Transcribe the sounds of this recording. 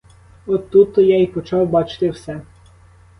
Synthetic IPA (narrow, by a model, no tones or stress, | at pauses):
ɔt̪ut̪ːɔjaipɔt͡ʃɑwbɑt͡ʃɪ̥t̪ɪwsɛ